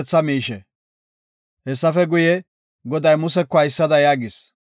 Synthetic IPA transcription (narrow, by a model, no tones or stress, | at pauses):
t͡sːɐmiːʃɛ | hɛsːɐfɛɡʊjɛ | ɡɔd̪ɐjmʊsɛkːɔɐjɪsːɐd̪ɐjaːɡɪs